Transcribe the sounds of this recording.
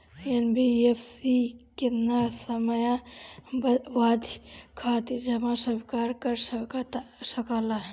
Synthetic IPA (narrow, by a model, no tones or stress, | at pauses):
enbiepʰsikenasəməjabʋaːd̪ʱkʰat̪iɾd͡ʒəmasəbikaːɾkəɾst̪səkala